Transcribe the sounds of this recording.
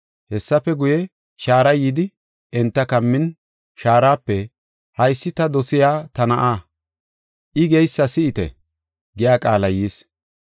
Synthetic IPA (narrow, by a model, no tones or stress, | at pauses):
hɛsːɐpːɛɡʊjɛ | ʃaːɾɐjɪd̪ɪ | ɛnt̪ːɐkɐmːɪn | ʃaːɾaːpːɛ | hɐjsːɪt̪ɐd̪ɔsɪjaːt̪ɐnɐʔaː | ʔɪɡɛjsːɐsɪɪt̪ɛ̰ | ɡɛjaːkʼaːlɐjiːs